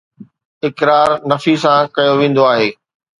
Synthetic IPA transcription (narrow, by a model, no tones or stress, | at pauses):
ɪkɾaːɾnɐfisãkɐjoʋẽːn̆d̪oaːɦeː